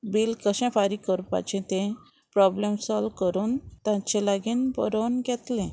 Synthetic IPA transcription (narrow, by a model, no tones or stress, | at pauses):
biːlkəɕɛ̃faɾikəɾpa̰t͡ɕẽt̪ẽ | pɾɔblemsɔlʋkəɾuːnt̪ãt͡ɕelaɡiːnbə̰ɾonɡɛt̪lẽ